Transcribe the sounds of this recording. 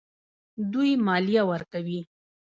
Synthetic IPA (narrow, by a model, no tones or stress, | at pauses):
d̪ujmɑlijawəɾkawi